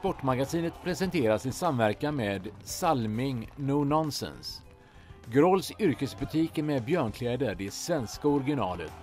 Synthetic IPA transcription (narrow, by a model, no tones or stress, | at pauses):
spɔʈːmaɡasiːnət̪pʰɾɛsɛnt̪ʰeːɾasɪnsamvæɾkameːd̪salmɪŋnuːnɔnsɛ̰ns | ɡɾɔlsʏɾkəsbɵt̪ʰiːkəɾmɛbjœːɳkʰlɛːd̪əɖɛsvɛnskaɔɾɡɪnɑːlə̰t̪